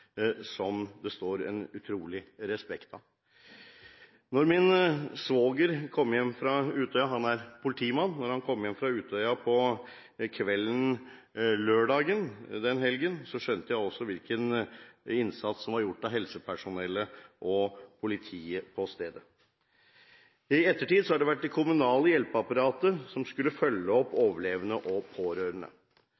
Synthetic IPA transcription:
sɔmd̪ɛst̪oːɾɛ̰nʉt̪ʰɾuːlɪɾɛspɛkt̪ɑ | nɔɾmɪnsʋoːɡəɾkʰɔmːjɛmːfɾɑʉːt̪ʰœʏɑɦɑnæɾpʰʊlɪt̪ʰiːmɑnːnːɔɾhɑnkʰɔmːjɛmfɾɑʉːt̪œʏɑpʰɔ | kʰʋɛlːən̩ | løːɖɑːɡənd̪ɛnɦɛlɡənsɔʂœnt̪əjæɪɔsːɔʋɪlkən | ɪnsɑt̪ssɔmʋɑɾjʊʈːɑɦɛlsəpʰæʂʊnɛlːəʔɔpʰʊlɪt̪ʰiːəpʰɔst̪eːd̪ə | ɪɛt̪ːəʈiːd̪sɔhɑɖɛʋæʈ̚ːd̪ɛkʰʊmʉnɑːləjɛlpəɑpɑɾɑːt̪əsɔmskʉlːəfœlːəɔpːoːʋəɭeːʋənəʔɔpʰoːɾøːɾənə̰

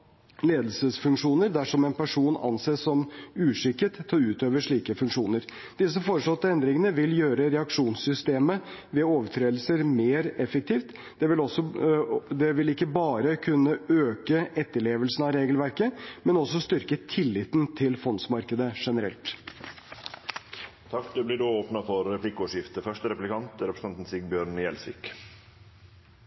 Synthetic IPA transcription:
leːd̪əlsəsfʉŋkʂuːnəɾd̪æʂɔmɛnpæʂuːnɑ̰nseːsːɔmʉːʂɪkːət̪ʰːɑɾʉːt̪øːʋəʂɭiːkəfʉŋkʂuːnəɾ | d̪̥ɪs̬əfoːɾəʂlɔt̪ːəɛnd̪ɾɪŋənəʋɪljøːɾəɾɛɑkʂuːnsʏst̪eːməʋɛːoːʋəʈʰɾeːd̪lsəɾmeːɾɛfək̚t̪ʰiːft̪ | d̪̥ɛʋɪlɔsɔ | d̪ɛʋɪlɪkːəbɑːɾəkʰʉnːəøːkəɛt̪ːəɭeːʋəlsn̩ɑɾeːɡəlʋæɾkəmɛnɔsɔst̪ʏɾkət̪ʰɪlːɪt̪nt̪ʰɪlfɔnsmɑɾkəd̪əʂɛnəɾɛ̰lt̪ | t̪ʰɑkːd̪ʉblɪɖuːoːpnəfɔɾːɛplɪkɔːʂjɪft̪əfœʂʈəɾɛplɪkʰɑnt̪ɾɛpɾəs̩ʰɑnt̪n̩sɪɡ̚bjøːɾɳjɛlsʋɪ̰k

